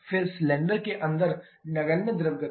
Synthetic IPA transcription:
fɪlslɛ̃ːɳɖəɾkeʔɐ̃nd̪əɾ | nɐɡəlnəd̪ɪɾəʋɡə

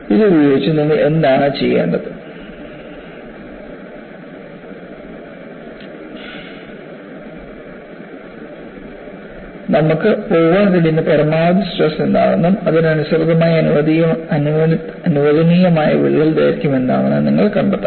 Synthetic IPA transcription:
iðɨubjoːit͡ɕːuniŋːɐɭe̞nd̪aːɳɨt͡ɕe̞jːḛːɳɖɐðɨ | nɐmukːɨpoːʋaːɳkɐɽijnːɐpɐɾɐmaːd̪ɨsʈrɐsend̪a̰ːʋenːumɐðinɐnusɐɾɨd̪ɐmaːjɐɐɐn | ɐnuʋɐðɐniːjɐmaːjɐʋḭɭːɐld̪ḛːɾɐkʲːume̞nd̪a̰ːʋɐnɐniŋːɐɭkɐɳɖɐt̪ːɐ

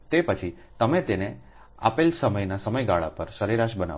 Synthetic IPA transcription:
t̪epət͡ʃʰi | t̪əmet̪ene | a̰pelsəməjnasəməjɡaɭa̰pəɾsəɾiɾaʃbəna̰

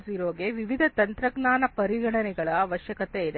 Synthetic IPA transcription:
siɾoːɡeʋiʋid̪ʱɐt̪ɐnt̪ɾɐɡnaːnɐpɐɾiɡɐɽɐnɛɡɐɭɐːʋɐʃjɐkɐt̪eid̪e

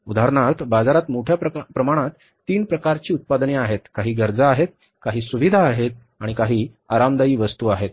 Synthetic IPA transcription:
ud̪ʱaɾɳaɾt̪ʰbad͡zaɾat̪moʈʰjapɾəmaɽ̃ãt̪ːiːnpɾəkaɾt͡ɕiːut̪̚pad̪niaɦet̪kaɦiːɡəɾd͡zaːɦet̪̚ | kaɦiːsuʋid̪ʱaːɦet̪̚ | aɽ̃ikaɦiː | aɾamd̪əiːʋəst̪uːaɦet̪̚

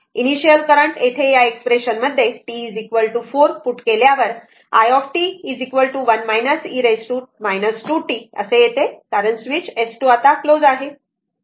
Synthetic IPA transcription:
iniɕijəlkəɾəɳʈet̪ʰejaekspɾeɕənməd̪ʱːjeʈiːd͡zikʋəlʈufoɾfuʈkeljaʋəɾ | a̰jɔfʈiːd͡zikʋəlʈuʋənmajnəsiɾesʈumajnəsʈuʈiə̰sejet̪ekaɾənsʋit͡ɕesʈuat̪aklod͡zaɦe

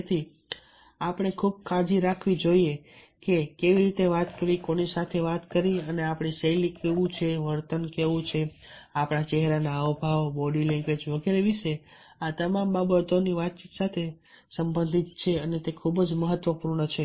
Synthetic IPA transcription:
t̪ʰi | apəɽ̃ekʰub̚kʰad͡ʒiɾakʰʋid͡ʒoie | kekeʋiɾit̪eʋat̪kəɾikonisat̪ʰeʋat̪kəɾiəneapɽ̃iʃəjlikeʋũt͡ʃʰeʋəɾt̪ənkeʋũt͡ʃʰe | apɳ̃at͡ʃeɦɾanaəobʱaʋbɔɖilɛ̃ŋked͡ʒʋəɡeɾeʋiʃe | at̪əmambabət̪oniʋat̪̚t͡ʃit̪sat̪ʰe | səmbə̃nd̪ʱit̪̚t͡ʃʰeənet̪ekʰubd͡ʒməɦət̪ːʋəpuɾɳət͡ʃʰe

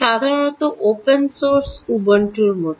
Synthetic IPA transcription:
ad̪ʱaɾəɳ̃ot̪oʔopənsoɾsubəɳʈuɾmo

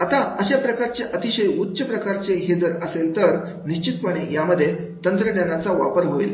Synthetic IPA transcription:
at̪aəɕapɾəkaɾt͡seʔət̪iɕəjutːɕəpɾəkaɾt͡seɦed͡zəɾəselt̪əɾ | niɕt͡ɕit̪pəɽ̃ejaməd̪ʱːje | t̪ənt̪ɾənjanat͡saʋa̰pəɾɦoḭl

